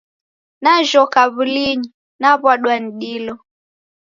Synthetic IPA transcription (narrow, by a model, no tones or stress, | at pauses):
naʒɔkaβuliɲi | naβaɗwaniɗilɔ